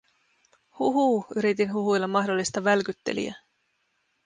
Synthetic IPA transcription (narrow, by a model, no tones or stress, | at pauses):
huɦuːyɾit̪inɦuɦujlːɑmɑɦdo̞lːist̪ɑʋælkyt̪ːe̞̰lḭæ̰